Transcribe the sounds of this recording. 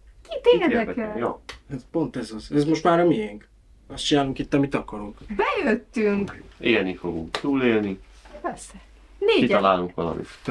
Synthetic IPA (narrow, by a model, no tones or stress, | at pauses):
kit̪eːd̪ɛkɛljo̰ɛt̪po̞nt̪ɛzɒzɛzmo̞ʃt̪maːɾɒmiɛŋk | ɒst̪t͡ʃinaːluŋkit̪ːɒmit̪ɒkɒɾuŋkbɛjøt̪ːyŋkeːlnifo̞ɡṵŋkt̪uːleːlni | pɛsɛ | neːkiɒlaːluŋkʋɒlɒ̰mḭt̪